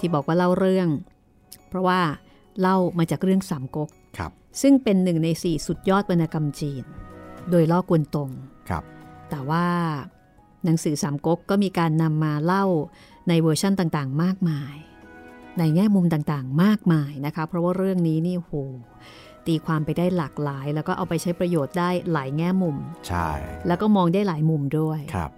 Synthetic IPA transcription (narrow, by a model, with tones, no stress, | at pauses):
t̪ʰiː˥bɔː˨˩k̚waː˥˩la˥˩wɾɯ˥˩əŋ | pʰɾɔ˦˥waː˥˩ | la˥˩wmaː˧t͡ɕaː˨˩k̚ɾɯ˥˩əŋsaː˩˦mko˦˥k̚kʰ | sɯ˥˩ŋpe˧nːɯ˨˩ŋna˧jsiː˨˩su˨˩t̪̚jɔː˥˩t̪̚pa˧nːaː˧ka˧mt͡ɕiː˧ndoː˧jlɔː˥˩ku˧ənt̪o˧ŋkʰt̪ɛː˨˩waː˥˩ | na˩˦ŋsɯː˩˦saː˩˦mko˦˥kːɔː˥˩miː˧kaː˧nːa˧mːaː˧la˥˩w | na˧jwɤː˧t͡ɕʰa˥˩nt̪aː˨˩ŋt̪aː˨˩ŋmaː˥˩k̚maː˧j | na˧jŋɛː˥˩mu˧mt̪aː˨˩ŋt̪aː˨˩ŋmaː˥˩k̚maː˧jna˦˥kʰa˦˥pʰɾɔ˦˥waː˥˩ɾɯ˥˩əŋniː˦˥niː˥˩hoː˨˩˦ | t̪iː˧kʰwaː˧mpa˧jdaː˥˩jlaː˨˩k̚laː˩˦jlɛː˦˥wkɔː˥˩ʔa˧wpa˧jt͡ɕʰa˦˥jpɾa˧joː˨˩t̪̚daː˥˩jlaː˩˦jŋɛː˥˩mu˧mt͡ɕʰa̰˥˩jlɛː˦˥wkɔː˥˩mɔː˧ŋdaː˥˩jlaː˩˦jmu˧mdu˥˩əjk̚ʰ